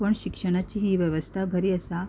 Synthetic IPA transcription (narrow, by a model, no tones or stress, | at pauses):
pəɳɕikʂəɽ̃at͡ɕiːɦiʋjəʋəst̪ʰabʱəɾiːəsa